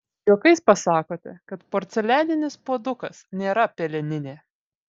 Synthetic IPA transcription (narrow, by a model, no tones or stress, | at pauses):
joːkɐɪspɐsɑːkoːt̪ʲɛ̰kɐt̪poːɾʲt̪sʲɛlʲæːnʲɪnʲɪspoːd̪ʊkɐsnʲeːɾɐpʲelʲɛnʲɪnʲeː